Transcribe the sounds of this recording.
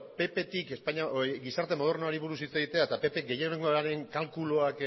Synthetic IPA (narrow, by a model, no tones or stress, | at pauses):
pe̞pe̞t̪ike̞spaɲaɡisaɾt̪e̞mo̞ð̞o̞ɾnoaɾiβuɾusit͡seɣit̪e̞aet̪ape̞pe̞ɡe̞jeneŋɡoaɾe̞ŋkalkulo̞ak